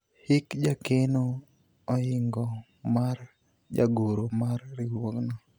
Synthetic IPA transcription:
hɪkd͡ʒakeno | ɔɪŋɡɔ | mar | d͡ʒa̰ɡoɾomarːɪwoŋnɔ

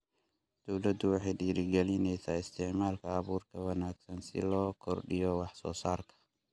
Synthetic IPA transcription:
d̪̥ɔwlɐd̪ʊwɪħɛjɗiːɾɪɡɐlɪnɛjsaːɪst̪ʰɪʕmaːlkʰɐːβuːɾkʰɐwɐnaːɡsɐnsɪ̰loːkʰɔɾɗɪjɔwɑħsɔ̰ːsaːɾkʰɐ̥

